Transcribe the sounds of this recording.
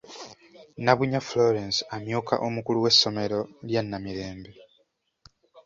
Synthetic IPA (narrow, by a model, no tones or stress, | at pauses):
naβuɲaflo̞ɾensamjuːka̰ʔomukuluwe̞sːo̞me̞ɾo̞ljanːamiɾe̞ːmbe